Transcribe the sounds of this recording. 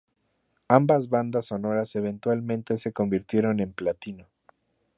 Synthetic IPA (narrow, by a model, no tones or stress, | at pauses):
ambazβand̪aso̞no̞ɾase̞β̞e̞nt̪walmẽnt̪e̞se̞ko̞mbiɾt̪je̞ɾo̞ne̞mplat̪ino̞